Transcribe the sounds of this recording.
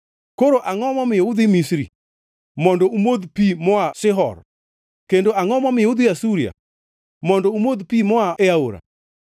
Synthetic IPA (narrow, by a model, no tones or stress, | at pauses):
koɾoʔaŋɔmɔmɪjoud̪imisɾḭ | mɔndɔumod̪pimɔaʃɪɦɔ̰ɾ | kendoʔaŋɔmɔmɪjud̪iasuɾia̰ | mɔndɔumod̪pimɔaeaoɾa̰